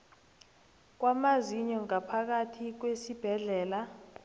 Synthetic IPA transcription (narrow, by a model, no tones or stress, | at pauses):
k̬wamaziɲɔŋapʰak̬atʰik̬wesib̥ʱɛɮɛːla